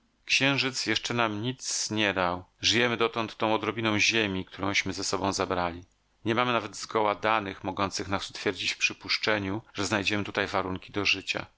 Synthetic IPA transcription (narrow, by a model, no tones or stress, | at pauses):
kɕɛ̃w̃ʐɘt̪sjɛʂt͡ʂɛnamɲit̪sɲɛd̪awʐɘjɛmɘd̪ɔt̪ɔnt̪ːɔ̃w̃ɔd̪ɾɔbʲinɔ̃w̃ʑemʲik̚t̪ʰuɾɔ̃w̃ɕmɘzɛsɔbɔ̃w̃zabɾalʲi | ɲɛmamɘnavɛd̪zɡɔwad̪anɘxmɔɡɔnt̪sɘxnasu̥t̪fʲjɛɾd͡ʑit͡ɕfpʂɘpuʂt͡ʂɛɲuʐɛznajd͡ʑɛmɘt̪ut̪ajvaɾuŋkʲid̪ɔʐɘt͡ɕa̰